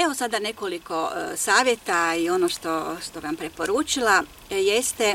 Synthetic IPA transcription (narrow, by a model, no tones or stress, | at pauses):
eʋo̞sad̪ane̞ko̞liko̞saːʋʲje̞t̪aio̞noʃt̪oʃt̪o̞ʋampɾepo̞ɾuːt͡ʃila | jest̪e